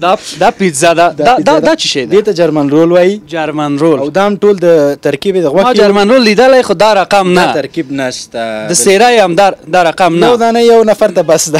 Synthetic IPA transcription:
d̪d̪ɑpizad̪ad̪ɑd̪ɑd̪ɑt͡ʃiʃed̪et̪ad͡ʒaɾmanɾolwɑjid͡ʒaɾmanɾolawd̪ɑamʈold̪ət̪aɾkibed̪əɣwaxd͡ʒaɾmanɾolːid̪əlajxod̪ɑɾaqamnatt̪aɾkibnaʃt̪ad̪əseɾajamd̪ɑd̪ɑɾaqamnawd̪ɑnəjawnafaɾt̪abasd̪a

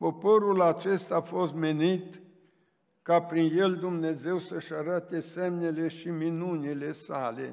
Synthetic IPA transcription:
po̞po̞ɾulat͡ʃe̞st̪aːfo̞st̪̚me̞nit̪ | kapɾinje̞ld̪umne̞ze̞wsəʃaɾat̪e̞semne̞le̞ʃiminunile̞sale̞̰

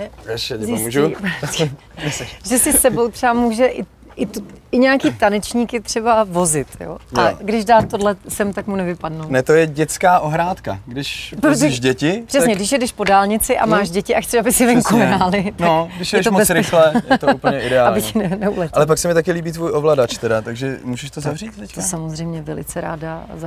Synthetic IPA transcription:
ɛɛʃɛɛmuːʒu | nɛsɛʒɛsɪssɛbo̞wt̪r̥ɛamuːʒɛʔɪ | ʔɪt̪ɪɲɛakiːt̪anɛt͡ʃɲiːkɪt̪r̥ɛbavo̞zɪt̪jo̰aɡdɪʒdaːt̪t̪ːodlɛsɛmt̪akmunɛvɪpadnownɛt̪ojɛɟɛt͡skaːʔoɦɾaːt̪kaɡdɪʃpɾosɛɛʃɟɛcɪpr̥ɛsɲɛɡdɪʃjɛdɛʃpo̞daːlɲɪt͡sɪʔa̰maːʒɟɛcɪʔaxt͡sɛʃabɪsɪvɛŋkuɦɾaːlɪt̪noɡdɪʃjɛɛɛʃtombɛsɾɪxlɛjɛt̪ouplɲɛʔɪdɛaːalɲbɪnɛnɛulɛʔalɛpaksɛmɪt̪akɪliːbiːt̪vuːjʔovladat͡ʃt̪ɛdat̪aɡʒɛmuʒɛʃt̪ozavriːt̪t̪ɛctosamozrɛjmɲɛvɛlɪ̰t͡sɛɾa̰ːdaza

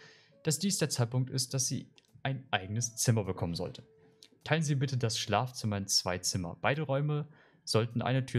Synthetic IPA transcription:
d̥asd̥iːsd̥eːɐt͡saɪt̚pʊŋk̚tʔɪ̰st̚d̥asz̥ḭːʔaɪnʔaɪɡənəst͡sɪmɐbəkʰɔmənzɔ̰ltə | tʰaɪlənziːbɪtədasʃlaːft͡sʊmaɪnəmt͡sv̥aɪt͡sɪmɐ̰b̥aɪɾəʁɔʏmə | z̥ɔltn̩ʔa̰ɪnətʰyːɐ

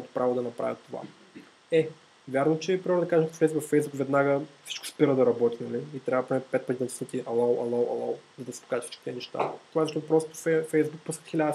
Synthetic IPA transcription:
ɔmɛt̪ʊ̥pɾavod̪ɐnɐpɾʔa̰vʲət̪ːova̰ | ɛ | vʲjaɾnot͡ʃɛpɾiɔɾɛd̪ɐkaʒɛkət̪fɛjzbukfɛjzbukvɛd̪naɡəfsi̥t͡ʃkʊ̥spiɾəd̪ɐɾɐbɔt̪inɐliːt̪ɾʲavd̪pɾʲimʲɛt̪pɛt̪pət̪ʲinɐsət̪iʔɐlˠowɐlˠowɐ̰lˠo̰wzɐd̪ɐsi̥po̥kaʒət̪fsi̥t͡ʃʃki̥t̪iɛnɛʃt̪a̰t̪ovazɐʃt̪ɔt̪ʊpɾɔst̪o̥fɛfɛjzbuk̚puskət̪xʲilʲad̪ə

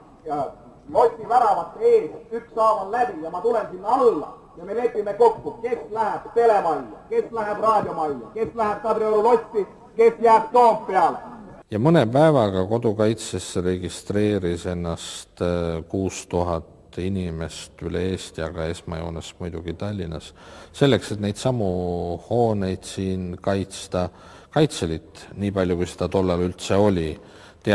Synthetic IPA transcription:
jɑ | lo̞sʲt̪ʲːivæɾɑʋɑt̪ːˑeːsyksɑːvɑnlæb̥ijɑmɑt̪ule̞nsinːɑlːɑ̰ | jɑmelepːimeko̞kːuke̞slæɦeb̥t̪e̞le̞vɑlʲːɑke̞slæɦeb̥rɑːd̪ʲjo̞mɑlʲːɑke̞slæɦeb̥̚kɑd̪ɾeoɾulo̞sʲt̪ːi | ke̞sjæːb̥̚t̪oːmppeɑle | jɑmɤnepæevɑɡɑko̞d̪̥ukɑjt̪seseɾe̞ɡist̪re̞ːɾise̞nːɑst̪kuːst̪uɦɑt̪ | inʲime̞st̪ylee̞ːst̪jɑɡ̥ɑe̞smɑjo̞ːnɑsmujd̪̥uɡ̥it̪ɑlʲːinɑsːe̞lːe̞kse̞t̪ne̞jd̪̥sɑmuho̞ːne̞jd̪̥siːnkɑjt̪st̪ɑ | kɑjt̪se̞lit̪ˑniːpɑlʲjukujsed̪̥ɑt̪o̞lːɑlylt̪se̞o̞lʲi | t̪e

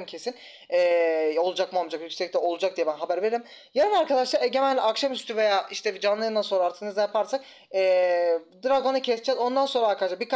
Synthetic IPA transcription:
mcʰe̞sin | ɛo̞lˠud͡ʒak̚mamˠd͡ʒakjycʲsɛc̚t̪ʰɛo̞lˠud͡ʒak̚d̪ijɛbænɦabæɾveɾeɾim | jaɾɯnaɾkʰad̪aʃlˠaɾɛɟemælʲlʲɛʔakʃamyst̪ʰyvejaːʔiʃt̪ʰɛvid͡ʒanlˠɯɯnd̪ansoɾaːɾt̪ʰɯnɯzajapʰaɾsak̚ | ɛːd̪ɾaɡo̞nɯcʰɛsd͡ʒɛzo̞nd̪anso̞nɾaːɾkad̪aʃlabik

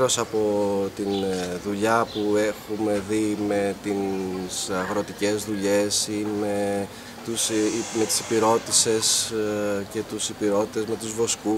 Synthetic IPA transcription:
ɾo̞sɐpo̞t̪inðuʎɐpue̞xume̞ðime̞t̪isɐɣɾo̞t̪ice̞zðuʎe̞sime̞ | t̪usme̞t̪i̥si̥piɾo̞t̪ise̞s | ce̞t̪usipiɾo̞t̪i̥t̪e̞zme̞t̪uzvo̞sku

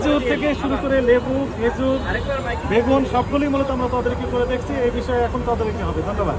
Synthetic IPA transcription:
d͡ʑuɾt̪ʰekeʃuɾukoɾelebuɦed͡ʑuɾbeɡonʃɔb̚ɡulimolet̪oamɾat̪od̪eɾkikoɾed̪ekʰt͡ɕʰiejbiʃɔeɛkʰonot̪ad̪eɾkiɦɔbed̪ʱonːoba̰d̪

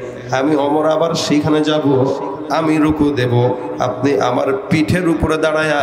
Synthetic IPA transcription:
amiɔmoɾabaɾʃejkʰaned͡ʑabu | amiɾukud̪ebo | a̰p̚niʔa̰ma̰ɾpiʈʰeɾupoɾed̪aɽaja

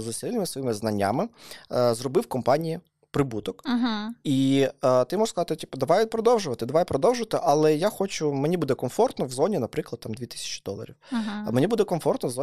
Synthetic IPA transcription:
zɐslʲnɪmɪsʋɔjimɪznɐnʲːa̰mɪzrɔbɪwkɔmpɑnʲiji | pɾɪbut̪ɔkɦit̪ɪmɔʐ̥skɐzɑt̪ɪtʲipd̪ɐʋajpɾɔd̪ɔwʒʊʋɐt̪ɪd̪ɐʋajpɾɔd̪ɔwʒʊʋɐt̪ɪʔɐlˠɛjaxɔt͡ʃʊmenʲibud̪ɛkɔmfɔrt̪nɔwzɔnʲinɐpɾɪklˠɐd̪̥̚t̪ɑmd̪ʋʲit̪ɪ̥sʲɐ̥t͡ʃɪ̥d̪ɔ̰lˠɐ̰ɾʲḭwmenʲibud̪ɛkɔmfɔrt̪nɔwzɔ

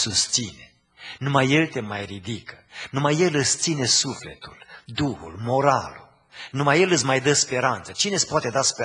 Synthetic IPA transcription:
sust̪sine̞ | numajːe̞lt̪e̞majrid̪ikənumaje̞lɨst̪sine̞sufle̞t̪uld̪uhṵlmo̞ɾalṵ | numaje̞lɨts̬ʲmajd̪əspe̞ɾant̪sət͡ʃinespoat̪e̞d̪aspe

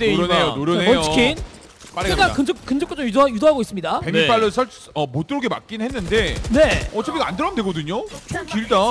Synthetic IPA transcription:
eɾonejonoɾjʌneʌnjot͡ɕʰikʰin | p͈aakakɯnd͡ʑʌkkɯnd͡ʑʌk͈ot͡ɕ͈omjudajudoɦaɡois͈ɯmɲidapemnip͈aɭːɯsʰʌɭ | ʌmot͈ɯɾoɡema̰k͈̚inɦenːɯnde̞ne̞ʌt͡ɕʰʌpiɡaandɯɾʌmndwe̞ɡʌdɯɲot͡ɕʰoŋkiɭda

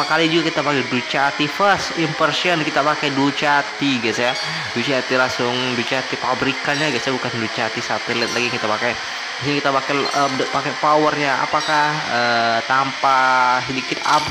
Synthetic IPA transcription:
kalid͡ʒuɡakit̪apakɛjdut͡ʃat̪ifəsimpərsiɔnkit̪apakajdut͡ʃat̪iɡasja | dut͡ʃat̪ilasʊŋdut͡ʃat̪ipabɾikaɲaɡisjabukandut͡ʃat̪isat̪ɛlɛt̪̚laɡijŋkit̪apakaj | siɲakit̪apakɛəpakɛpawərɲaa̰pakahət̪ampasədikɪt̪ap̚

